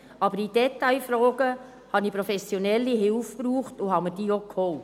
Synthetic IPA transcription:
ɑbəɾid̥ɛtaɪfɾɔːɡə | hɑnipɾofɛsjonɛlːiɦɪʊfpruːχtʊhɑməɾd̥iːokʰhɔlt

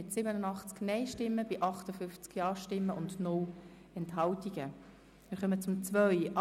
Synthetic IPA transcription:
ɪtsɪbənənɑχt͡sknɛɪʃtɪmːəbɪʔɑχtəfʏft͡skjɑːʃtɪmːəʔʊndnʊl | ɛntɦɑltiɡ̥ə | mɪɾχœmət͡sʊmt͡sʋœjʔ

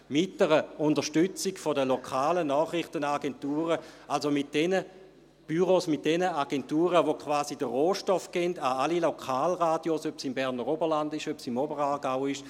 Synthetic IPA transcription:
mɪt̚d̥ɛʁəʊndəʃtyt͡siɡfodəlokʰaːlənɔːχʁɪχtənaɡentuːʁəalsomit̚d̥ɛnə | b̥yʁosmɪt̚d̥ɛnəaɡ̥ɛntuːʁəʋokʰvaːzidəʁoːʃtɔfɡ̥ɛndaalilokʰaːlʁaːdjosøpsimbɛʁnəʁobəlandɪʃøpsimobəʁaːɡaʊɪʃ

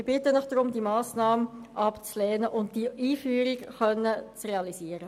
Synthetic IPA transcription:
bɪtənəχd̥ɾʊmdimɑːsnɑːməʔɑpt͡slɛːnəʔʊnt̚d̥iiːfyːɾikχœnːət͡sreɑlisiːəɾə

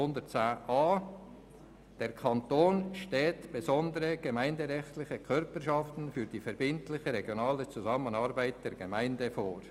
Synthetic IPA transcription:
ʊndət͡saːʔɑː | d̥ɛːɾkʰɑntoːnʃtɛːtb̥ezɔndəɾəɡ̥emaɪndəʁɛxtlɪçəkʰœɾpəʃɑftn̩fyːɾd̥iːfɛɾbɪntlɪçəɾɛɡjonɑːlət͡suzɑmənɑɾbæɪt̚d̥ɛɾɡemæɪndəfoːɾ

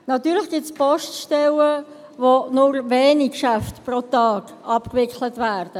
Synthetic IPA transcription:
nɑtyːɾlɪxɡ̥ɪtspɔʃtʃtɛlə | vonʊɾveːnikʃæftprotɑːk | ʔɑpkvɪklətvæːɾd̥ə

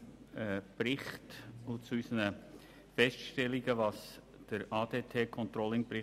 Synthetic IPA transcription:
ɛb̥rɪχtʊt͡suysənə | fɛstʃtɛlɪɡəvɑs | d̥əɾʔɑːd̥eːtʰeːkʰɔntɾɔlɪŋb̥ɾɪ

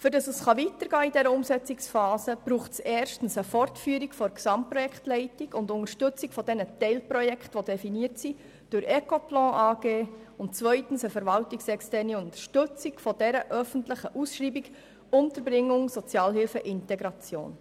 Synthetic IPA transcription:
fʏɾdɑsəsχɑvitəɾɡ̥ɑːidɛɾəʊmsɛt͡sɪksfɑːsəb̥ɾuːχtseːrʃtn̩səfɔrtfyːəɾikfɔɾksɑmprɔjɛkχtlɛɪtiɡʊndʊŋəʃtʏt͡sɪkfɔd̥ɛnətɛɪlprɔjɛkχtʋodɛfiniətsi | d̥ʊɾɛkoplɑ̃ːʔɑːɡeː | ʊntt͡svœʏtn̩səfɛɾvɑltiksɛkstɛrniʊnt̪əɾʃtɵt͡sikfɔdɛɾəʔœfən̩tləχəʔusʃriːbik | ʊntəɾbɾɪŋːʊŋsɔt͡sjɑːlhɪlfəʔɪntɛɡɾɑt͡sjo̰ːn

